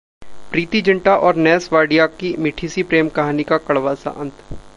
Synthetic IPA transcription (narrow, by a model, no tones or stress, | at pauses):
pɾiːt̪id͡ʒɪ̃ɳʈaʔɔːɾnɛːsʋaːɖijakimɪʈʰiːsipɾeːmkɐɦaːnikakɐɭʋaːsa̰ʔɐ̃nt̪ʰ